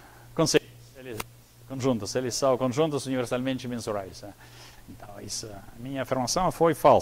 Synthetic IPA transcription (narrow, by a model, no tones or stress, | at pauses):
kõsejʊselɪ | kõʒũnt̪ʊselɪsːɐ̃w̃kõʒũnt̪ʊsuniveɾsalmẽnt͡ʃɪmẽnsuɾajsnɛ | ẽnt̪ɐ̃w̃ḭsɐɐmĩɲɐːfiɾmasɐ̃w̃fojfal